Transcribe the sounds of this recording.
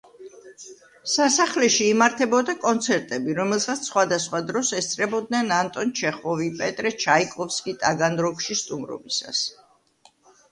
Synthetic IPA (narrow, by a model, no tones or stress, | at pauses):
sasaχlɛʃiːmaɾt̪ʰɛbɔd̪akʼɔnt̪sʰɛɾt̪ʼɛbiɾɔmɛlˠsat̪sχwad̪asχwad̪ɾɔsɛst̪sʼɾɛbɔd̪nɛnant̪ʼɔnt͡ʃʰɛχɔvipʼɛt̪ʼɾɛt͡ʃʰaikʼɔfskʼit̪ʼaɡanɾɔkʃist̪ʼumɾɔ̰bisa̰s